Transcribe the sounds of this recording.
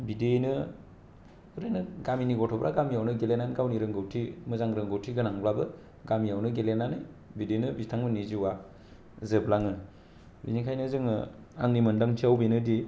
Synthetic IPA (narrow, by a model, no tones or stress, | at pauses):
bidenɯ | ɯɾenɯɡaminiɡɔtʰɔbɾʔaɡamjawnɯɡelenanɡawniɾɯŋɡɯwtʰimɯzaŋɾɯŋɡɯwtʰiɡɯnaŋblabɯ | ɡamijawnɯɡelenanaj | bidenɯbitʰaŋmɯniziwa | zɯblaŋɯ | binikʰajnɯzɯŋ | a̰ŋnimɯndaŋtʰiawbenɯdi